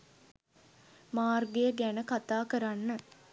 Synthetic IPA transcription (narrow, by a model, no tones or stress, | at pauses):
maːrɡejəɡænəkat̪aːkəɾanːə